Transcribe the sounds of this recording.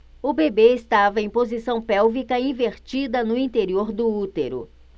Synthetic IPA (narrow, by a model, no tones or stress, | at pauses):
ʊbebeɪst̪avɐẽj̃pozisɐ̃w̃pɛwvikɐĩveɾt͡ʃid̪ɐnʊĩnt̪eɾioɾd̪ʊut̪eɾʊ̰